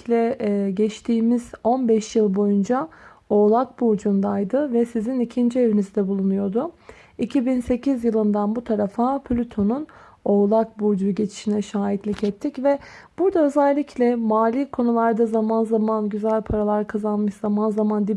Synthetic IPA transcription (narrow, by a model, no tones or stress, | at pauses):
lʲɛɟɛt͡ʃt̪ʰiːmiz̥o̞nbɛʃjɯlˠbo̞jund͡ʒa | o̞ːlˠak̚buːd͡ʒund̪ajd̪ɯvɛsizinicʰind͡ʒie̞vinizd̪ɛbulˠunujo̞d̪ʊ | icʰibinse̞cʰizjɯlˠɯnd̪anbut̪ʰaɾafapʰlʲyt̪ʰo̞nun | o̞ːlˠak̚buːɾd͡ʒuɟe̞t͡ʃʰi̥ʃinɛʃaːjit̪lʲicɛt̪ʰːicvɛb̥uɾd̪aø̞zɛlʲːiclʲɛmaːlʲiːkʰo̞nulˠaɾd̪azamanzamanɟyzælʲpʰaɾalˠaɾkʰazanmɯʃz̥amanzamand̪i